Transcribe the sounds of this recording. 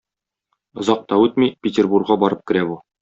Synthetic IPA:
ŏzɑq̚t̪ɑʉt̪mipʲɪtʲerburɡʁɑbɒɾɤp̚kɘ̆ɾæbu

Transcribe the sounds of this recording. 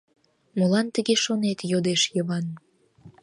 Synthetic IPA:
molɑnt̪əɣeʃonet̪jod̪eʃjəβɑn

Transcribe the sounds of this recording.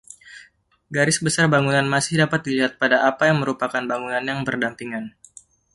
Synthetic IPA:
ɡaɾɪsbəsarbaŋunanmasɪhdapat̪̚diliɦat̪̚padaʔapajaŋməɾupakanbaŋunanjaŋbərdampiŋan

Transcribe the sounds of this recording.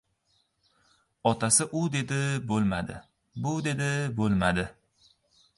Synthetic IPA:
ɒt̪ʰasɪʔʊd̪e̞d̪ɪbolˠma̰d̪ɪ̰ | bʊd̪e̞d̪ɪbolˠmad̪ɪ

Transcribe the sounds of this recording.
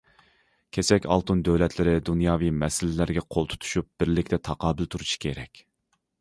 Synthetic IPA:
kʲʰesɛkʲɑ̰lˠt̪und̪øwlɛt̪ʰlɪɾɪd̪unjɑːvijmɛsɪlɪlæɾɡʲɛqʰolˠt̪ʰu̥t̪ʰu̥ʃup̚b̥ɪɾlɪkʲt̪ʰɛt̪ʰɑqɑːbɪlt̪ʰuɾuʃi̥kʲʰeɾɛkʲ

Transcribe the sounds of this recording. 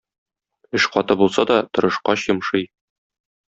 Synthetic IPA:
ɘʃqɒt̪ɤbulˠsɑd̪ɒt̪ŏɾɤ̆ʃqɑɕjɤ̆mʃɤj

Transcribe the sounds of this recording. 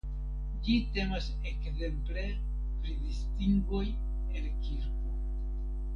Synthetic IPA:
d͡ʒite̞mas | ekze̞mple | pɾidistiŋɡoj | elkiɾko

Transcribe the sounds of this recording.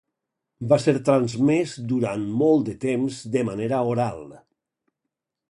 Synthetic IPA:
baseɾt̪ɾanzmezd̪uɾanmɔlˠt̪d̪ət̪emzd̪əmaneɾaoɾalˠ

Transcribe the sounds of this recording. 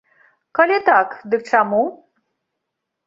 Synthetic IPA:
kɐlʲit̪akd̪ɨk̚ʈ͡ʂamu

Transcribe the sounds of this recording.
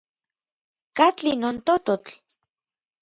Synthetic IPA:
kat͡ɬinont̪ot̪ot͡ɬ

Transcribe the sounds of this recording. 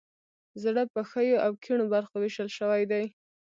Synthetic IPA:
zɽəpəxəjoʔawkʰiɳobaɾxowɪʃəlʃəwajd̪aj

